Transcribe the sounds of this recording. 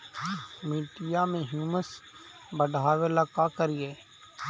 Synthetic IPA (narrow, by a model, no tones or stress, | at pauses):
miːʈɪjaːmẽːɦjuːməsbəɖʱaːʋelakaːkəɾijeː